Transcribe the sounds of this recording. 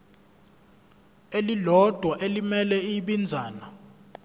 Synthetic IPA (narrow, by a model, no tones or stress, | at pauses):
elilɔd̥ʱwaʔelimɛlɛiɓind͡zʱaːna